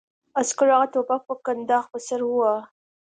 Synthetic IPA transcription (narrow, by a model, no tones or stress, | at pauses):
askəɾaɣat̪opak̚pəkand̪ɑxpəsaɾwuwa